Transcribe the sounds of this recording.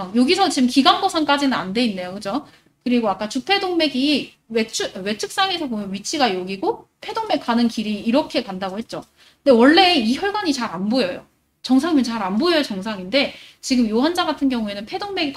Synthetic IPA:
joɡisʰʌt͡ɕimkiɡanbosʰank͈ad͡ʑinɯnande̞inːe̞jokɯd͡ʑo | kɯɾiɡoak͈at͡ɕupʰe̞doŋme̞ɡi | wet͡ɕʰɯwe̞t͡ɕʰɯk̚s͈aŋe̞sʰʌbomjʌnɥit͡ɕʰiɡajoɡiɡopʰe̞doŋme̞k̚k͈anɯnkiɾiːɾʌkʰe̞kandaɡoɦe̞t̚t͡ɕ͈o | ɯndewʌɭːe̞içjʌɭɡaɲit͡ɕaɾanbojʌjo̰ | t͡ɕʌŋsʰaŋimjʌnt͡ɕaɾanbojʌjʌt͡ɕʌŋsʰaŋinde̞t͡ɕiɡɯmjoɦand͡ʑaɡatʰɯnɡjʌŋue̞nɯnpʰe̞doŋme̞ɡik

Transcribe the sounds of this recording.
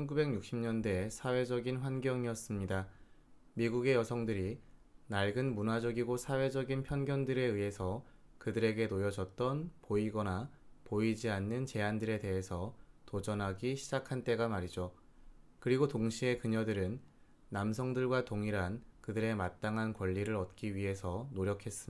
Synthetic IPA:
t͡ɕʰʌnɡube̞ɡɲuk̚ɕ͈imɲʌndwe̞sʰawe̞d͡ʑʌɡinɸwanɡjʌŋiʌs͈ɯmɲida | miɡuɡe̞jʌsʰʌŋdɯɾinaɭɡɯnmunad͡ʑʌɡiɡosʰawe̞d͡ʑʌɡinpʰjʌnɡjʌndɯɾe̞ɯɦe̞sʰʌkɯdɯɾe̞ɡe̞nojʌd͡ʑʌt̚t͈ʌnpoiɡʌnapoid͡ʑianːɯnt͡ɕe̞andɯɾe̞te̞ɦe̞sʰʌtod͡ʑʌnɦaɡiɕʰid͡ʑakʰant͈e̞ɡamaɾid͡ʑo | kɯɾiɡotoŋɕʰie̞kɯɲʌdɯɾɯnː | amsʰʌŋdɯɭɡwatoŋiɾankɯdɯɾe̞mat̚t͈aŋɦankwʌʎːiɾɯɾʌt̚k͈iɥiɦe̞sʰʌnoɾjʌkʰe̞s͈ɯm

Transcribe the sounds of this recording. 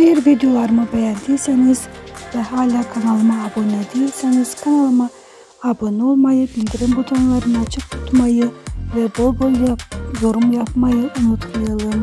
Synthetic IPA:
ejiɾvid̪ijo̞lˠaɾmɯbe̞jænd̪iilʲseniz̥vɛɦaːlʲaːkʰanalˠɯmaːbonɛd̪ejilʲseniz̥kʰanalˠɯmaː | bonolˠmajɯbilʲd̪iɾimbut̪ʰanlˠaɾɯnat͡ʃʰɯk̚t̪ʰu̥t̪ʰmajɯvɛbolˠbolˠjo̞ɾumjapmajɯʔunut̪ʰmajalˠɯn

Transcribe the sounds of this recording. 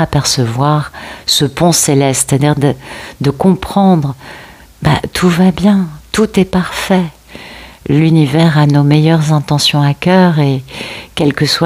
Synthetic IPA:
apɛʁsəvwaʁsəpɔ̃selɛst̪se̥t̪ad̪iʁd̪əd̪əkɔ̃pχɑ̃d̪ʁ | ba̰t̪ʰuvabjɛ̃t̪ut̪ɛpaʁfɛ | lynivɛʁanomejœʁzɛ̃t̪ɑ̃sjɔ̃akʲœʁekʲɛlkəswa

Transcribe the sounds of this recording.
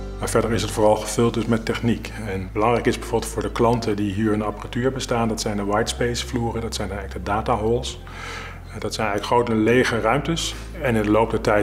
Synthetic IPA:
maːɹvɛɹdəɹɪsɦətfʊːrɑlˠχəv̥ɵlˠt̚dɵsmɛtɛχnik | ɛnbəlɑŋrɛjkɪzbɛjvoɹbəlˠtfʊːɹdəklɑntədiɦiːɹənɑpəratyːɹbəstaːndɑtsɛjndəʋɑjtspejsfluːrədɑtsɛjndɛləɡdədaːtaɦɔlˠs | ɛdɑtsɛjnɛjɣləkχrowtəlejχərœɥmtəs | ɛnɪndəlowp̚dətɛj

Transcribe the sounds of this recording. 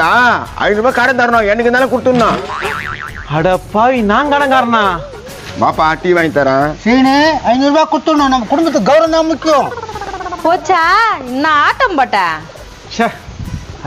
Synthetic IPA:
aːɐ̰ɪnɯɾbaːkaːɽɐnd̪aːɾɐnõːɛnːɯk̬ːɯnaːlɐ̃kʊɽɯt̪ːɯnːãː | ɐɽɐpːaːʋinãːŋkɐɽɐŋɡaːɾɐnãː | maːpːaːʈːiʋaːŋit̪ːɐɾãːsiːɳeɐɪnɯɾbaːkʊɽɯt̪ːɯnːãːnɐmːɐkʊɽʊmbɐt̪̬ːɯɡɐʊɾɐ̃md̪ãːmʊkːɪjõ | poːt͡ʃːaːɪnːaaːʈːɐmpaːʈːãː | t͡ʃɐ

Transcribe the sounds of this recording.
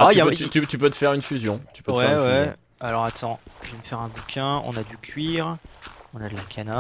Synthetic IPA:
aatjyapøt̪yt̪yt̪ypøt̪ə̥fɛʁynfyzjɔ̃t̪y̥pøtwwɛʁfwɛ | alɔʁat̪ʰɑ̃ʒveməfɛʁɛ̃bukʲʰɛ̃ɔ̰̃nad̪ykʲʰɥiʁɔ̃nad̪əlakʲʰana

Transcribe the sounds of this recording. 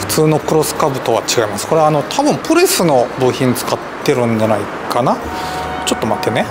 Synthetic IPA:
ɸɯ̟̥t͡sɨːno̞kɯ̟ɾo̞sɨ̥kabɯ̟t̪o̞βat͡ɕiɡaimasɨ̥ko̞ɾe̞ano̞t̪ʰabɯ̟̃mpɯ̟ɾesɨno̞bɯçʲĩɲt͡sɨ̥kat̪ːe̞ɾɯ̟̃ɲ̟d͡ʑanai | kʰana | t͡ɕo̞t̪ːo̞mat̪e̞ne̞

